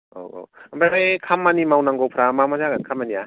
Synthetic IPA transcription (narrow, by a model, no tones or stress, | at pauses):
o̰o̰ambaɾekʰamːanimawnaŋɡowpʰɾamamazaɡankʰamania